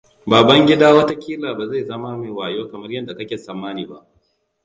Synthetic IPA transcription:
baː˨bɐ˦ŋɡʲɪ˦daː˦wɐ˦ta˦kʲiː˦laː˨baː˨za˦˨jzɐ˦ma˦meː˨waː˨joː˦kɐ˨mɐ˦rjɐ˦da˨kɐ˦kʲeː˨sɐː˦mːaː˦niː˨ba̰˦ʔ

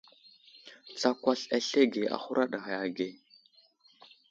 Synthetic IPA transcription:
t͡sa˦kʷa˦ɬa˨ɬe˦ɡe˨a̰˨xu˦ɾʔa˦ɗa˨ɣa˨ja˨ɡe˦˨

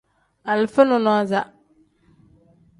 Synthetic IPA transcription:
a˨lfɪ˦nʊ̃˦nʊ˦a˦za˦˨

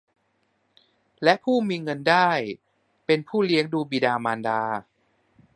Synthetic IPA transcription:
lɛ˦˥ʔpʰuː˥˩miː˧ŋɤ˧ndaː˥˩j | pe˧npʰuː˥˩li˦˥əŋduː˧biː˧daː˧maː˧ndaː˧

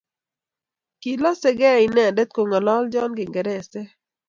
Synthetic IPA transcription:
ki˨lɔ˦sɛ˦ɡɛ˦˨i˨nɛ˦a˨dɛ˦t̪̚ko˨ŋɔ˨lɔ˦ld͡ʒɔ˦nɡɪ˨ŋɡɛ˨ɾɛ˨sɛ˦

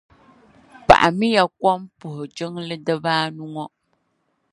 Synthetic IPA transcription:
pa̰˨ʔa˨mi˦ja˨kʷɔ˦mpʊ˨hʊ˨d͡ʒɨ˦ŋlɨ˦dɨ˦baː˦nʊ˦ŋɔ˦

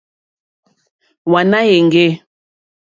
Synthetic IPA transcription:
wa˨na˦je˨ŋ˨ɡe˦

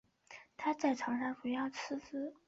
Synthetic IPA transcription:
t̪ʰa˥t͡sa˥˩ɪʈ͡ʂʰɑ˧˥ŋʂa˧˥npu˧˥jɑ˥˩ʊt͡sʰɹ̩˥sɹ̩˥

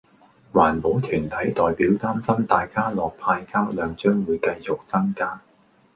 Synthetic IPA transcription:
waː˨˩npo˨˥wt̪ʰyː˨˩nt̪ʰɐ˨˥jt̪ɔː˨jpiː˨˥wt̪aː˥msɐ˥mt̪aː˨jkaː˥lɔː˨˩k̚pʰaː˧jkʰaː˥wlœː˨˧ŋt͡ʃœː˥ŋwuː˨˧jkɐ˧jt͡sʊ˨k̚t͡sɐ˥ŋkaː˥

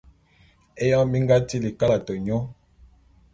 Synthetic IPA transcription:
e˦jã˦mi˦ŋɡa˦ti˦li˨ka˦la˨to˨ɲɔ˦

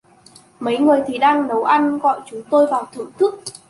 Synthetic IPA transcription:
mə˨˦jŋɨ˨˩əjt̪ʰi˨˩ɗaː˧ŋɗə˨˦wʔa˧jnɣɔ̰˧˨jt͡ɕʊ˨˦ŋ͡mt̪o˧jvaː˨˩wt̪ʰɨ̰˧˨ŋt̪ʰɨ˦˥k̚

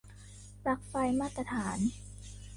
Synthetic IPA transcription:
pɾa˨˩k̚fa˧jmaː˥˩t̪ːɾa˧t̪ʰaː˩˦n

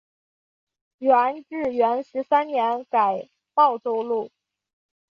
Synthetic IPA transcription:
ɛ˧˥nɻ̩˥˩ɥɛ˧˥nʂɻ̩˧˥sa˥nnjɛ˧˥nka˨˩ɪ | pɑ˥˩ʊʈ͡ʂo˥ʊlu˥˩

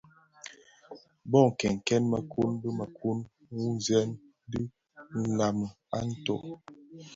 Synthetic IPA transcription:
bɔ˦˨ŋ̩˨kɛ˨ŋ̩˨kɛ˦nma˨kʰu˦nbə˦ma˨kʰu˦n | wu˦zɛ˦n | di˦ | n̩˨la˨m˨ | a˦n̩˦tɔ̰˦˨

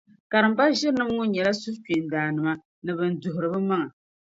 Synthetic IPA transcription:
ka˨ɾɨ˨m˦ba˦ʒɪ˦ɾnɨ˦mŋʊ˦ɲɛ˨la˦su˦ki˨n˨daː˨nɨ˨ma˦ | nɨ˨bɨ˨n˨dʊ˨ɦʊ˨ɾɨ˨bɨ˦ma˦ŋa˨

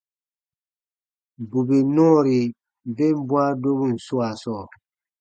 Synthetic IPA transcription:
bu˨be˨nɔ̃˦˨ɾi˨ | be˦m˦bwa˦do˦bu˦˨n̩˨su˦a˨sɔː˦˨

